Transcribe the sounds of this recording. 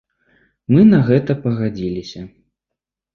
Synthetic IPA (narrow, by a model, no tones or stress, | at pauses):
mɨnɐɣɛt̪ɐpɐɣad͡zʲilʲisʲɐ